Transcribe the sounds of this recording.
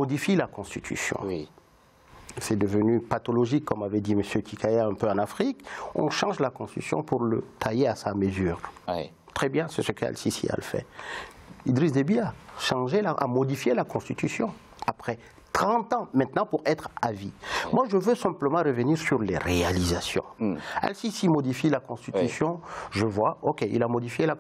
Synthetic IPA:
mɔd̪ifilakɔ̃st̪it̪ʰy̰sjɔ̰̃ | sɛd̪əvənypat̪ɔlɔʒikːɔmavɛd̪iməsjøkikʰajaɛ̃pøɑ̃nafχikɔ̰̃ʃɑ̃ʒlakɔ̃st̪isjɔ̰̃puʁlət̪ʰajeasaməzyːʁ | t̪χɛbjɛ̃sɛsəka̰lsisḭa̰ləfɛ̰ | id̪ʁis̬d̪ebiaʃɑ̃ʒelaʔa̰mɔd̪ifjelakɔ̃st̪it̪ysjɔ̃ | apχɛ | t̪χɑ̃t̪ɑ̃mɛ̃t̪nɑ̃puʁɛt̪χavimwaʒəvøsɛ̃pləmɑ̃ʁəvəniʁsyʁlḛʁealizasjɔ̰̃ɛ̰lsisimɔd̪ifilakɔ̃st̪it̪ysjɔ̃ʒəvwaokʲeʔḭlamɔd̪ifjela

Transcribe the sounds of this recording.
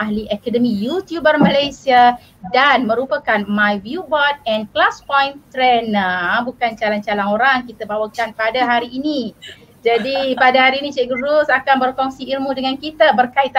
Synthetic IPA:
aɦliʔakadəmĩjut̪jubərmə̃lajsia | danmə̃ɾupakanmãjvjubɔd̪̚ɛnklaspɔjnt̪ɾɛnabukant͡ʃalant͡ʃalanoɾaŋkit̪abawakanpadaɦaɾiːni | d͡ʒadipadaɦaɾiːnĩt͡ʃɛɡəɾusakanbərkɔŋsiilmũdəŋãnkit̪abərkait̪̚

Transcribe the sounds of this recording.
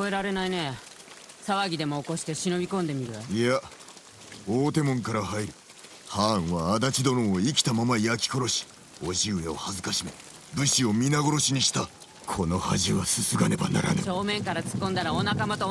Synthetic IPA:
koe̞ɾaɾe̞naine̞ | saβaɡʲid̪e̞mo̞ːko̞ɕi̥t̪e̞ɕino̞bʲikõ̞nd̪e̞mʲiɾɯ̟ia | oːt̪e̞mõ̞ŋkaɾahaiɾɯ̟ | hãːɰ̃βaːd̪at͡ɕid̪o̞ɾõoikʲi̥t̪amamaiakʲi̥ko̞ɾo̞ɕi̥ | o̞ʑiɯe̞o̰hazɨkaɕime̞ | bɯ̟ɕio̞mʲinaɡo̞ɾo̞ɕiɲ̟iɕi̥t̪a | kʰo̞no̞haʑiβasɨsɨɡane̞ba̰na̰ɾa̰neo̞ːmẽ̞ŋkaɾat͡sɨ̥kːõ̞nd̪aɾaonakamat̪o

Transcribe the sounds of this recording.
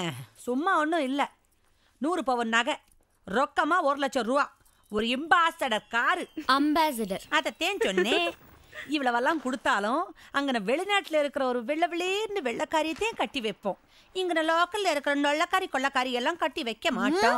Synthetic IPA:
sʊmːaːɔnːʊ̃ɪlːɐ | nuːɾɯpoːʋɐnnːaːɣɐ | ɾɔkːɐmaːɔɾlɐt͡ʃːɐɾʊʋaː | ɔɾɯɪmbaːsɐɽɐɾkaːɾɯɐmbaːs̬ɐɖɐɾɐðɛt̪eːɲt͡ʃɔnːeː | ɪʋɐɭɐʋɐlːãːkʊɽɯt̪ːaːlʊ̃ɐŋɡɐnɐ̃ʋɛɭinaːʈːɪlɐɪɾɯkːɯɾɐɔɾɯʋɛɭːɐʋɛɭiɾɯnd̪ɯʋɛɭːɐkːaːɾɪɐt̪ːeːkɐʈːiʋɐɪpːõː | ɪŋɡɐnɐ̃loːkɐllɪɾɯkːɯɾɐnɔɭːɐkːaːɾikɔɭːɐkaːɾɪjɛlːãːkɐʈːiʋɐɪkːɐmaːʈːõː

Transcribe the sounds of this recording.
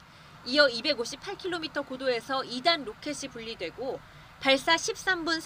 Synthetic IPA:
ijʌibe̞ɡoɕʰipʰaɭkʰiɭːomitʰʌkodoe̞sʰʌidanːokʰe̞ɕʰipuʎːidwe̞ɡo | paɭs͈aɕʰip̚s͈ambuns

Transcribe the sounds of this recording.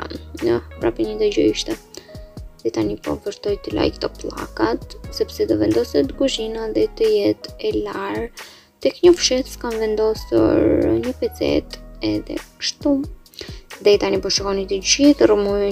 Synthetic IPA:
nəpɾapiɲid̪əɟɔiʃt̪ɛ | ðɛt̪anipɔ̰vəɾt̪ɔjt̪əla̰jkt̪ɔplˠa̰kat̪sɛpsɛd̪ɔvɛnd̪ɔsɛt̪əɡuʒinaðɛt̪əjɛt̪ɛlaɾ | t̪ɛkɲəfʃɛt̪skamvɛnd̪ɔsṵɾɾɲəpɛt͡sɛ̰t̪ɛðɛ̰kə̥ʃt̪u | ðɛt̪anipɔʃəkɔnit̪əɟiðrəmuj

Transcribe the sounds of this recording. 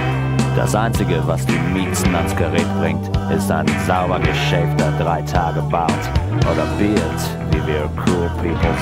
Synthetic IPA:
d̥a̰sʔaɪnt͡sɪɡəvasd̥iːmiːsn̩ansɡ̥əʁɛːt̚b̥ʁɪŋtʔɪsta̰ɪnzaʊbɐɡəʃɛftd̥adʁaɪtʰaːɡəbaʊtʔoːdɐbɪt | viːviːɐkʰuːlˠpʰiːpl̩ˠ

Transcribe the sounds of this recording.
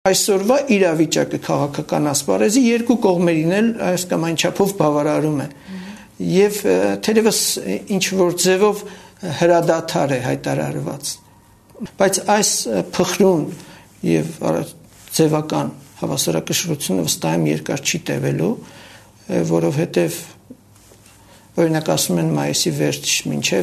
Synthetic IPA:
ɑjsɔɾvɑʔiɾɑvit͡ʃɑkəkʰɑʁɑkʰɑkɑnɑspɑ̰ɾɛzijɛɾkukɔʁmɛɾinɛlɑjskɑmɑjnt͡ʃʰɑpʰɔvbɑvɑɾɑɾumɛ | jɛvt̪ʰɛɾɛvəsint͡ʃʰvɔɾd͡zɛvɔvhəɾɑd̪ɑt̪ʰɑɾɛɦɑjt̪ɑɾɑ̰ɾvɑ̰t͡s | b̥ɑjt͡sʰɑjspʰəχɾun | jɛ̰vɑ̰ | d͡zɛvɑkɑnhɑvɑsɑɾɑkəʃɾut͡sʰjunəvəst̪ɑjumjɛ̰ɾkɑɾt͡ʃʰit̪ɛ̰vɛlu | ɔɾɔvhɛt̪ɛv | ɔɾinɑkɑsumɛnmɑjisivɛɾt͡sʰt͡ʃmint͡ʃʰɛ

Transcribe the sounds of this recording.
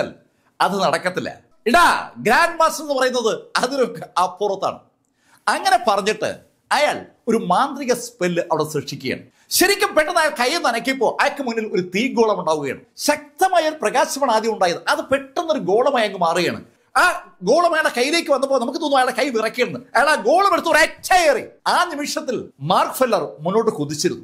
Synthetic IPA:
l | ɐðɨnɐɽɐkːɐt̪ːilːɐ̰ | iɽaɡɾaːnɖmaːsnenːɨpɐrɐjun̪ːɐðɨɐðinokːeaːpurɐt̪ːa̰ːɳɨ̰ | ɐŋːɐne̞pɐrɐɲːiʈːɨ̰ | ɐjaːɭ | o̞ɾumaːnd̪riɣɐspelːɨʔɐʋiɽesrɨʂikʲːuɣja̰ɳɨ̰ | ɕɐɾikʲːɐmpeʈːɐnːaːjaːɭkɐjːɐmnɐnɐkːijpːo̞ːɭʔɐjɐkːɨmunːilo̞ɾut̪iːɡo̞ːɭɐmuɳɖaːʋuɣɐja̰ːɳɨ̰ɕɐk̚t̪ɐmaːjɐːlprɐɣaːɕɐmɐɳaːd̪jɐmuɳɖaːjɐðɨʔɐðɨpe̞ʈːunːoɾuɡo̞ːɭɐmaːjɐŋɡɨmaːrɨɣɐja̰ːɳɨ̰ | aːɡoːɭɐmɐjaːɭɖekɐjːile̞ːkːɨʋɐnːɐp̬ːolnɐmukːɨt̪oːnːuɐjaːɭɖekɐjʋirɐkːieɽunːɨɐjaːɭaːɡo̞ːɭɐmeɽut̪ːɐʋɾetʲʰːaeːriaːnimiʂɐt̪ːilmaːrkfelːɐrmunːoːʈ̬ːɨkud̪ːit͡ɕːiɾṵnːu

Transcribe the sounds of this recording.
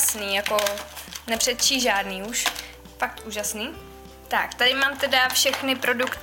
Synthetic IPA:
sniːjakonɛpr̥ɛt̪̚t͡ʃiːʒaːdniːuʃ | fak̚t̪uːʒasniː | t̪akt̪adɪmaːmt̪ɛdafʃɛxnɪpɾo̞dukt̪

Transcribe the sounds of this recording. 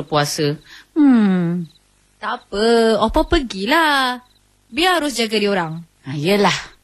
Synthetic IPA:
puasə | t̪apəopapəɡilah | biəɦaɾʊsd͡ʒaɡadioɾaŋ | ajəlah

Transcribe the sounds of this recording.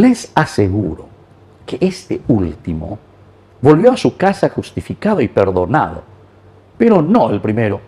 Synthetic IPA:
lesaseɣuɾo | keʔest̪eult̪imo̰ | bolβjoasukasaxust̪ifikaðoipeɾðona̰ðo̰ | peɾonoelpɾimeɾo

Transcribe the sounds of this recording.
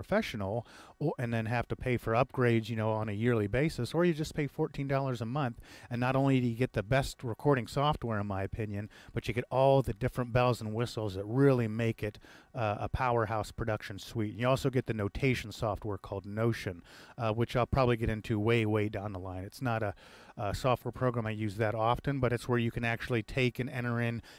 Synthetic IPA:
ɹəfɛʃn̩l̩ˠɨ̃nðɨ̃nɦæftɨpʰeɪfə˞ʌp̚ɡ̥ɹeɪdzjɨnoʊə̃nɨjɪɹlˠibeɪsɨsə˞jɨd͡ʒʌspʰeɪfɔɹtʰĩndɔlˠə˞zəmʌ̃nθɨ̃nːəɾõʊ̃nlidɨjɨɡɛt̪̚ðɨbɛst̚ɹɨkʰɔɹɾɪ̃ŋsɔft̚wɛɹɨ̃nmaɪɨpʰɪ̃njɨ̃nb̥ʌt͡ʃɨɡɛɾɔlˠðɨdɪfɹɨ̃nb̥ɛlˠzə̃n̩wɪsl̩ˠzðɨt̚ɹɪlˠimeɪkɪɾə̰pʰaʊə˞ɦaʊspʰɹ̥ɨdʌkʃɨ̃nswitn̩jɨɔlˠsoʊɡɛt̪̚ðɨnoʊtʰeɪʃn̩sɔft̚wɛɹkʰɔlˠdⁿnoʊʃɨ̃nwɨt͡ʃaɪlˠpʰɹ̥ɑbəbliɡɛɾɪ̃ntʰʉweɪweɪdãʊ̃nðəlãɪ̃nɨtsnəɾə | sɔft̚wɛ˞pʰɹ̥oʊɡɹæ̃maɪjʉzðɨɾɑfɨ̃nbʌɾɨtswə˞jɨkʰɨ̃næk̚t͡ʃʉl̩ˠitʰeɪkɨ̃nɛ̃ɾ̃ə˞ɪ̃n

